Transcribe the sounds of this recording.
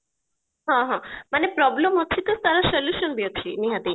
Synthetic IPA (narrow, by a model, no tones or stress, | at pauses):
ɦãɦãmanepɾɔbləmɔt͡ʃʰit̪ost̪aɾasəljuʃənbiot͡ʃʰiniɦad̪i